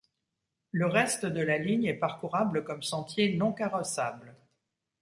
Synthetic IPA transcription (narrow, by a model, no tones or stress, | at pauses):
ləʁɛst̪əd̪əlaliɲɛpaʁkuʁabləkɔmsɑ̃t̪jenɔ̃kaʁɔsabl